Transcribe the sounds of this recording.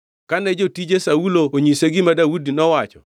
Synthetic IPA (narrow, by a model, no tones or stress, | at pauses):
kanɛd͡ʒotid͡ʒesaulooɲiseɡɪmadawudinɔwat͡ʃɔ̰